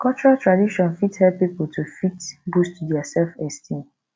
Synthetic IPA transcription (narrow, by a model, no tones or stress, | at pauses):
kʰɔt͡ʃɔɹatʰɹadiʃɔ̃nfithɛpːipoltʰufitbustdɛasɛlfɛstʰĩn